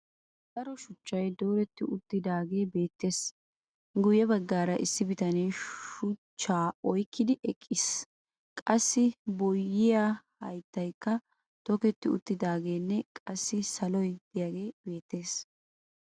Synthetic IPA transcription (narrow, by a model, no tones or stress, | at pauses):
d̪̥ɐɾɔʃʊt͡ʃːɐjd̪oːɾɛt̪ːɪʔʊt̪ːɪd̪aːɡe̞ːbe̞ːt̪ːe̞ːs | ɡʊjɛbɐɡːaːɾɐʔɪsːɪbɪt̪ɐnejʃʊt͡ʃːaːɔjkːɪd̪ɪʔɛkʼːɪs | kʼɐsːɪbɔjːɪjahɐjt̪ːɐjkːɐ | t̪ɔkɛt̪ːɪʊ̰t̪ːɪd̪aːɡe̞ːnːɛkʼɐsːɪsɐlɔjd̪̥ɪjaɡe̞ːb̥e̞ːt̪ːe̞ːs